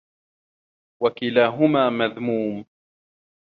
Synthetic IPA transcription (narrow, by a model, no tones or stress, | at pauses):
wakɪlaːɦʊmaːmaðmuːm